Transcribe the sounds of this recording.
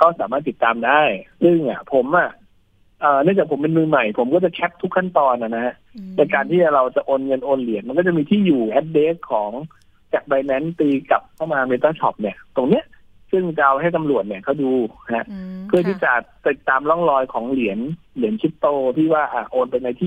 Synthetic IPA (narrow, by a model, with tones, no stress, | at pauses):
kʰɔː˥˩saː˩˦maː˥˩t̪ːi˨˩t̪ːaː˧mdaː˥˩jsɯ˥˩ŋʔa˨˩pʰo˩˦mʔa˧˩ | ʔəː˨˩nɯ˥˩ŋt͡ɕaː˨˩k̚pʰo˩˦mpe˧nmɯː˧ma˨˩jpʰo˩˦mkɔː˥˩t͡ɕa˨˩kʰɛ˦˥p̚t̪ʰu˦˥kʰːa˥˩nt̪ɔː˧nːa˨˩na˦˥ha˦˥ʔnɛ˧˩jkaː˧nt̪ʰiː˥˩t͡ɕɾa˧wt͡ɕa˨˩ʔoː˧nŋɤ˧nʔoː˧nli˩˦ənma˧nkɔː˥˩a˨˩miː˧t̪ʰiː˥˩juː˨˩ʔɛ˦˥t̪̚deː˦˥kʰːɔː˩˦ŋ | t͡ɕa˨˩k̚ba˧nɛ˦˥nt̪iː˧ka˨˩p̚kʰːa˥˩wmaː˧meː˧t̪aː˥˩t͡ɕʰɔ̰˨˩p̚ni˥˩ɐt̪o˧ŋni˦˥ɐʔ | sɯ˥˩ŋt͡ɕa˧ʔa˧wɦa˥˩jt̪a˧mlu˨˩ət̪̚ni˥˩ɐkʰa˥˩wduː˧ha˦˥ʔpʰɯ˥˩t̪ʰiː˥˩t͡ɕa˨˩t̪i˨˩t̪ːaː˧mlɔ˥˩ŋlɔː˧jkʰɔː˩˦ŋli˩˦ən | li˨˩˦ənt͡ɕʰi˦˥tt̪oː˧t̪ʰiː˥˩waː˥˩ʔaː˨˩ʔoː˧npa˧jna˧jt̪ʰiː˥˩